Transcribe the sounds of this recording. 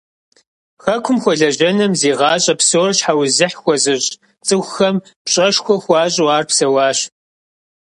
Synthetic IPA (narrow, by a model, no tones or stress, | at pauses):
xɐkʷʰʊmxʷɔɮɐʑɐnɐmzeːʁɑːɕʼɐpsoːrɕħawzɨħxʷɔzɨɕʼ | t͡sʼɨxʷxɐm | pɕʼɐʂxʷɔxʷɑːɕʼwaːrpsɐwɑːɕ